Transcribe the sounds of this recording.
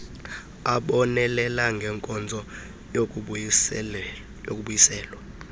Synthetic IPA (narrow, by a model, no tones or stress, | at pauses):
aɓɔnɛlɛlaŋɡʱɛŋkʼɔnd͡zʱɔ | jou | jo̰k̬ʼuɓujisɛːlwa